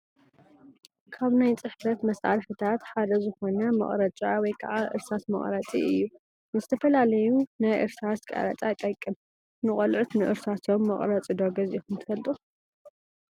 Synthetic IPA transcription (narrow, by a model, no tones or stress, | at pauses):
kʰaβnajt͡sʼɨħfɐt̪mɐsa̰ɾħɨt̪ʰat̪ħad̪ɐzɨxo̞nɐmɐ̰χʼɾɐt͡ʃʼawɔjkʰa̰ʕaʔɨ̰ɾsat̪mɐ̰χʼɾɐt͡sʼḭɨjːu | nɨzɨt̪ʰɐfɐlalɐjunajʔɨɾt̪ʰɾaskʼa̰ɾɐ̰t͡s̪ʼat̪ʼɐjkʼɨm | nɨχʼɐlʕut̪nɨʔɨɾsat̪ʰo̞mːɐχʼɾɐt͡sʼɨd̪oɡɐzixɨnt̪ʰɨkʰɐlt̪ʼux